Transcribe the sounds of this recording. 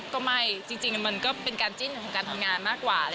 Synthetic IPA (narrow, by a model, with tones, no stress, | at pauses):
kɔː˥˩ma˥˩jt͡ɕi˧ŋt͡ɕi˧ŋma˧nkɔː˥˩pe˧nkaː˧nt͡ɕi˥˩nkʰɔː˨˩˦ŋkaː˧nt̪ʰa˧mŋaː˧nmaː˥˩kːwaː˨˩